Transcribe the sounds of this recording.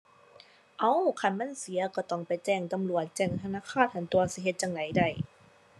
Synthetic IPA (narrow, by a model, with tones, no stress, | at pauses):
ʔa˧˥˩wkʰa˧˥˩nma˧˥˨nsi˨˦ɐkɔ˧˩t̪ɔ˧˩ŋpa˨˩jt͡ɕɛː˧˩ŋt̪a˧˨mlu˨˩ət̪̚t͡ɕɛː˧˩ŋt̪ʰa˧naː˧˥˨kʰaː˥˩˨t̪̚hʰa˧˨˩nt̪u˧ɐsi˧˦ɦe˧t̪̚t͡ɕa˧ŋda˨˦jda˧˩j